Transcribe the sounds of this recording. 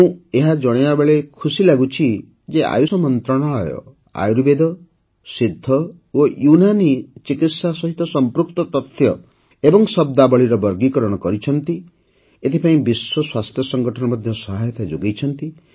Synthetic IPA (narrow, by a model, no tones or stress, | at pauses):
ũeɦad͡ʒɔɽ̃eabeɭekʰusilaɡut͡ʃʰi | d͡ʒea̰jusɔmɔnt̪ɾɔɽ̃aɭɔjɔ̰ | a̰juɾbed̪ɔ | sid̪ʱːɔ | ojunanit͡ʃikit̪sasɔɦit̪ɔsɔmpɾuk̚t̪ɔt̪ɔt̪ʰjɔ | ebɔŋsɔb̚d̪abɔɭiɾɔbɔɾɡikɔɾɔɽ̃ɔkɔɾit͡ʃʰɔnt̪i | et̪ʰipaĩbiswɔswast̪ʰjɔsɔŋɡʱɔʈʰɔñɔmɔd̪ʱjɔsɔɦajɔt̪ʰad͡ʒoɡejt͡ʃʰɔnt̪i